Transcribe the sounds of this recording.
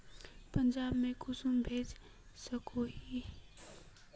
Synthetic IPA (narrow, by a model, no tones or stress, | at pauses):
pənd͡ʒaːbmẽkʊsumbʱeːd͡ʒ | səkʰoɦi